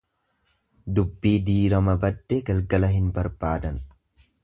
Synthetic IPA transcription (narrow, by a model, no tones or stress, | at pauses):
d̪ʊbːiːd̪iːɾɐmɐbɐd̪ːɛɡɐlɡɐlɐɦɪnbɐɾbaːd̪ɐn